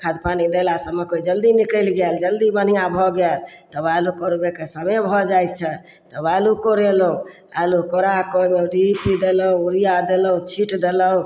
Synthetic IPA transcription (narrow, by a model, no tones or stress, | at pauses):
kʰad̪panid̪elasəmekoid͡ʒəld̪inikəɪlɡɛld͡ʒəld̪ibən̤ijãbʱɔɡɛlt̪ɔbalukɔɾbekesəmebʱɔd͡ʒajt̪t͡ʃʰɛ | t̪ɔbalukoɾeləɦũ | alukoɾakojmeɖipid̪eləɦũuɾijad̪eləũt͡ʃʰiʈd̪eləũ